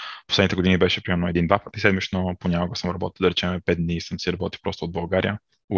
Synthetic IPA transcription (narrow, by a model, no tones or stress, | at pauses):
posɛd̪it̪ɛɡod̪inibɛʃɛpɾimɛɾnoɛd̪ind̪vapət̪əisɛd̪mit͡ʃnoponʲakoɡəsəmɾɐbɔt̪ilˠd̪ɐɾɛt͡ʃɛmɛpɛt̪̚d̪nisəmsiɾɐbɔt̪i̥pɾɔst̪od̪̚bɐlˠɡaɾḭjə